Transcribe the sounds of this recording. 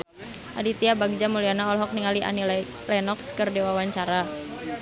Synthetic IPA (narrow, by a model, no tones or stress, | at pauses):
ʔa̰dit̪iabaɡ̚d͡ʒamulianaɔlɦɔk̚niŋaliʔa̰nil | lɛnɔkskərdewawaɲt͡ʃaɾa